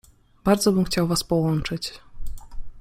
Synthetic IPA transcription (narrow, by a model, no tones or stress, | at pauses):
b̥aɾd̪zɔbɘmxt͡ɕawvaspɔwɔnt͡ʂɘt͡ɕ